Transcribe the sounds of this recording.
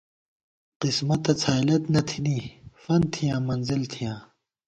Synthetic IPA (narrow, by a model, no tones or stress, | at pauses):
qismɐt̪ɐt͡sʰaːjlɐt̪nɐt̪ʰiniːfɐnt̪ʰijãːmɐnzilt̪ʰijãː